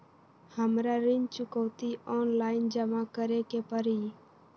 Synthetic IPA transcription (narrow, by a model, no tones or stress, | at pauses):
həmɾaɾɪnt͡ʃʊkəʋt̪iɔːnlaːɪnd͡ʒəmakəɾekepəɾiː